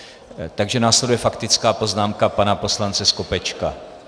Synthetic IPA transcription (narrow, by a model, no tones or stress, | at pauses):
t̪aɡʒɛnaːslɛdujɛfakt̪ɪt͡skaːpo̞znaːmkapanapo̞slant͡sɛskopɛt͡ʃka